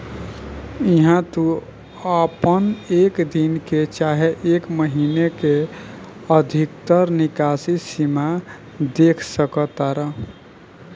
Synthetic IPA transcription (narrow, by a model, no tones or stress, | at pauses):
iɦãt̪u | əpənekd̪inket͡ʃaɦeʔekməɦineke | əd̪ʱikt̪əɾnikasisima | d̪ekʰsəkət̪aɾəɦ